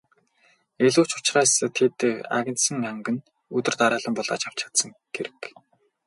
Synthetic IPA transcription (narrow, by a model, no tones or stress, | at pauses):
eɮuːt͡ɕʊt͡ɕraːst̪ʰet̪a̰ɣʲɪ̆nsɘ̆ŋæŋɡɘ̆n | ɵt̪ɘ̆rt̪aɾaːɮə̆mpɔɮa̰ːt͡ɕaw̥t͡ɕə̆kt̪sə̆ŋɡ̥eɾɘ̆k